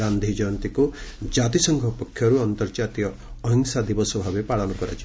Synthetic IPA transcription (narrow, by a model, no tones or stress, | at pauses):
and̪ʱid͡ʒɔnt̪ikud͡ʒat̪isɔŋɡʱɔpɔkʰːjɔɾuɔnt̪ɔɾd͡ʒat̪ijɔːɦiŋsad̪ibɔsɔbʱabepaɭɔnukɔɾa̰t͡ʃʰi